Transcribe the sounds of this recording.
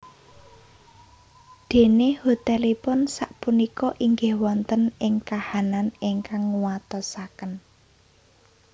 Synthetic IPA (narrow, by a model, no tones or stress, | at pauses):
d̪̥e̤nehot̪ɛlipʊnsaʔpunikɔʔiŋɡɪhwɔnt̪ənɪŋkahananiŋkaŋwat̪ɔsakən